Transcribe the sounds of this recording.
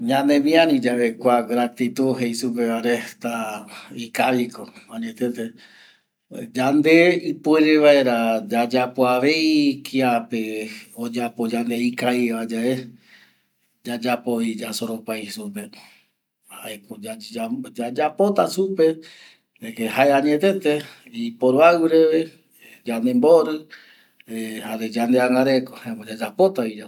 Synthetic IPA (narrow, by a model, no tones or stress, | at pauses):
ɲãnẽmĩãɾĩd͡ʒaβekʷaɡɾat̪it̪uɦejsup̬eβaɾet̪aikaβikoãɲẽt̪et̪e | d͡ʒand̪e̞ɨpueɾeβaeɾad͡ʒad͡ʒapoaʋe̞jkʰiapeod͡ʒapod͡ʒand̪eikaiβad͡ʒae | d͡ʒad͡ʒapoid͡ʒasoɾopajsupe | haekoad͡ʒad͡ʒapo̞t̪asupe̞ | d͡ʒekehaeãɲet̪e̞t̪eipoɾoawɾee | d͡ʒand̪emboɾɨ | ehaɾed͡ʒand̪eaŋɡaɾekohaemod͡ʒad͡ʒapo̞t̪aid͡ʒa